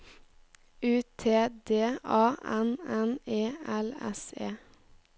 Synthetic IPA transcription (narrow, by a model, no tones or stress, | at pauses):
ʉːt̪ʰeːd̪eːɑːʔɛnɛneːɛlɛ̰seː